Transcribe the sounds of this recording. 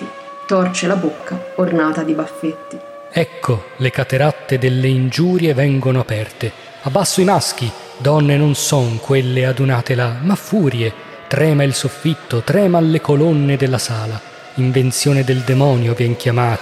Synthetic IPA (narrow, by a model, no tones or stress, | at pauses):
i | t̪ɔrt͡ʃelabokːaornaːt̪ad̪ibafːet̪ːi | ɛkʰːolekat̪eɾat̪ːed̪elːeind͡ʒuːɾjevɛŋɡonoapɛrt̪e | abːasːoimask̟i | d̪ɔnːenonsɔŋkwelːead̪unaːt̪elamafːuːɾje | t̪ɾɛːmailsofːit̪ːot̪ɾɛːmalːekolonːed̪elːasaːla | iɱvent̪sjoːned̪eld̪emɔːnjovjɛŋk̟jamaːt̪